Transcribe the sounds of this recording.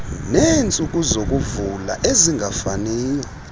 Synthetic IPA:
nent͡sʼukʼuzokʼuvula̰ʔeziŋɡʱafaniːja

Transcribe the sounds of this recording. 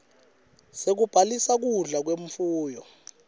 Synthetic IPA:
sek̬ub̥ʱalisak̬uɮak̬weɱfuːjɔ

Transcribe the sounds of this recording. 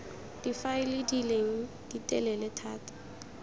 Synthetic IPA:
d̥ifaɪlidileŋ̩ | d̥itʼɛlɛlɛtʰaːtḁ

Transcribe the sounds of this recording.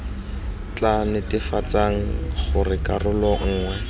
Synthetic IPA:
t͡ɬanɪtɪfat͡saŋ̩χʊrɪkarʊlɔŋ̩ːŋwɛ

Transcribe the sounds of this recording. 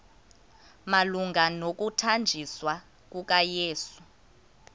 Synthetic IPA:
maluŋɡʱanok̬ʼutʰand͡ʒʱiswa | k̬uk̬ʼajeːsu̥

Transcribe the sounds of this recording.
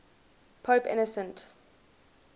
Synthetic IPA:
pʰoːpɪ̰nəsə̃nt

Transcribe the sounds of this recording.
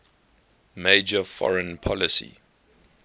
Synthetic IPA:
meɪd͡ʒəfɔ̰ɹə̃npʰɔlɪsḭ

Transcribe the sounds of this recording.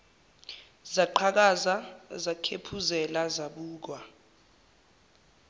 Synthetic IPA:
zaǃʰak̬azazakʰepʰuzɛlazaɓuːk̬wa

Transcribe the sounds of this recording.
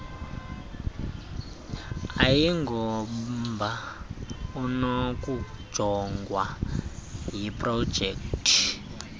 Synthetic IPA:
ajiŋɡɔmba | unoku̥d͡ʒ̥ʱɔŋɡwa | ɦiprɔ̥d͡ʒʱektʰʼi̥

